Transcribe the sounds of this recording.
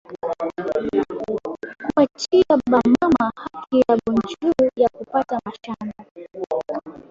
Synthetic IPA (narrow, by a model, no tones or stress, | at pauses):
kuat͡ʃiaɓamamahakijaɓund͡ʒuujakupatamaʃana